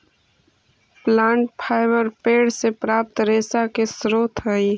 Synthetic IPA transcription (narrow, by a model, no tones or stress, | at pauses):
plãːɳʈ̚pʰaːɪbəɾpeːɽsepɾaːp̚t̪ɾeːsakesɾoːt̪ʰɦəi